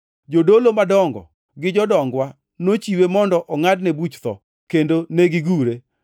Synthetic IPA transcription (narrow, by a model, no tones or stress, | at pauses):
d͡ʒodolomadɔŋɡɔ̰ | ɡɪd͡ʒɔdɔŋɡwa | not͡ʃiwemɔndɔʔɔŋadnebut͡ʃt̪ɔ̰ | kendoneɡɪɡuɾe